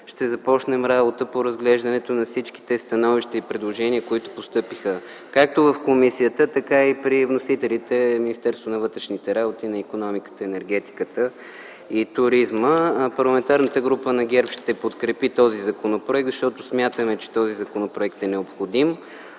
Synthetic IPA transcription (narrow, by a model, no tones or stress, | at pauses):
ʃt̪ɛzɐpɔt͡ʃnɛmɾabot̪əpoɾɐzɡlɛʒd̪ɐnɛt̪onɐfsit͡ʃki̥t̪ɛst̪ɐnɔviʃt̪ɐipɾɛd̪lˠoʒɛniəkoit̪o̥post̪ɤpixə | kak̚t̪ovɐfkomisiət̪ət̪ɐkaipɾivnosit̪ɛlit̪ɛminist̪ɛɾst̪vonɐvɤt̪ɾɛʃnit̪ɛɾabot̪inɐikonɔmikə̥t̪əɛnɛɾɡ̟ɛt̪i̥kət̪ə | it̪ʊɾizməpɐɾlˠɐmɛnt̪aɾnət̪əɡɾupənɐɡʲɛɾpʃt̪ɛpot̪kɾɛpit̪ɔzizɐkonopɾoɛk̚t̪zəʃt̪ɔt̪ʊsmʲjat̪əmɛt͡ʃɛ̥t̪ɔzizɐkonopɾoɛkt̪ɛnɛopxod̪im